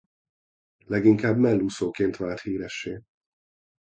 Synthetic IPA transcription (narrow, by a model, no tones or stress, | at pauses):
lɛɡiŋkaːbmɛlːusoːkeːnt̪ʋaːt̪hiːɾɛʃːeː